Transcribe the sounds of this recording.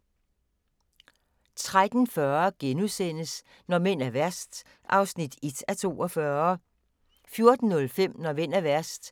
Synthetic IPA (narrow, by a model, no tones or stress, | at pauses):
t͡sʰʁad̥n̩fɶɐɡ̥enusen̰əs | nɒmen̰æɐʋæɐ̰sd̥ | ʔɑ̈ʊsnid̥ed̥æt͡sʰo̝̰ːɒ̽fɶːɐ | fjo̝ɐd̥n̩ːɔ̽lfem̰nɒmen̰æʋæɐ̰sd̥